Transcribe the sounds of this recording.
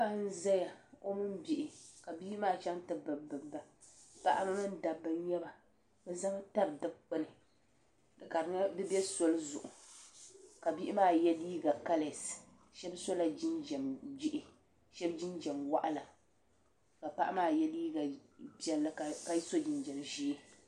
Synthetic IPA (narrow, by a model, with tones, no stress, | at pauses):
pa˦n˦za˦ja˨o˦mɨ˦mbi˨ʔɪ˨ka˨bi˦ʔmaː˦t͡ʃa˦ntɨ˨bɨ˨bɨ˨bba˨pa̰˨ʔa˦mɨ˦nɨ˦n˦da˨bːɨ˦n˦ɲɛ˦ba˨ | bɨ˦za˦ŋa˦ta˦bdɨ˦b̚k͡pɨ˦nɨ˨ | dɨ˨ka˨ɾdɨ˦bɛ˦so˦lzʊ̰˨ʔʊ˨ | ka˨bi˦ʔɪ˦maː˦˨jɛ˦liː˦ɡa˨ka˦le˨s | ʃɛ˦bso˦la˨d͡ʒi˦nd͡ʒɛ˨md͡ʒɪ˦ʔɪ˨ | ʃɛ˦bd͡ʒɪ˦nd͡ʒɛ˨mwa˦ʔa˦la˨ | ka˨pa̰˦ʔa˦maː˦˨jɛ˦liː˦ɡa˨pi˦ɛ˨lːa˦˨ka˨i˦so˦d͡ʒɪ˨nd͡ʒɛ˨mʒi˦